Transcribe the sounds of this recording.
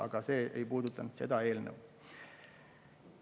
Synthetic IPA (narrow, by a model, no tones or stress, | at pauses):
ɑ̰ɡ̥ɑse̞ːʔejpuːd̪ut̪ːˑɑnud̪̥se̞d̪̥ɑe̞ːlnəw